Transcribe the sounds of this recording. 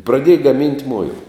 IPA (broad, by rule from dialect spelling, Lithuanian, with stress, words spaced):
prɐˈdʲiɛjɛ ɡɐˈmʲɪnʲtʲ ˈmʊɪlˠɐ